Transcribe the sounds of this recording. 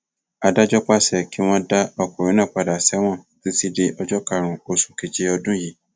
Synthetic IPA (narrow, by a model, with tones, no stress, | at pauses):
a˧da˦d͡ʒɔ˦k͡pa˦sɛ˨ki˨˦w̃ɔ̃˦da˦ɔ˧ku˨ɾ̃ĩ˨˦nãː˦˨k͡pa˨da˨sɛ˨˦w̃ɔ̃˦˨ | ti˦ti˦de˧ʔɔ˧d͡ʒɔ˦ka˦˨ɾũ˨o˨sũ̥˨ke˨d͡ʒe˧ɔ˧dũ˦ji˨